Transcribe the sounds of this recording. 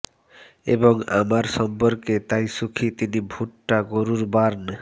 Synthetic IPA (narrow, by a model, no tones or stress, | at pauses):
ḛboŋa̰maɾsʃɔmpɔɾket̪ajsukʰit̪inibʱuʈːaɡoɾuɾbaɾn